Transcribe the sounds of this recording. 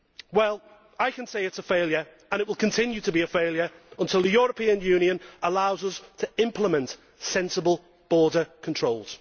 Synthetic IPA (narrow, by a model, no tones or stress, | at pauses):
wɛlˠ | aɪkə̃nseɪɪtsəfeɪlˠjəɹ | ə̃ñɪʔwɪlˠkʰə̃ntʰɪ̃njʉtəbiəfeɪlˠjəɹə̃ntʰɪlˠðəjɔːɹəpʰĩə̃njʉ̃ːnjə̃nəlaʊzəz̥tʰəɪ̃mpʰlɪmə̃nt | sɛ̃nsəbəlˠ | b̥ɔːdəkʰə̃ntʰɹ̥oʊlˠz̥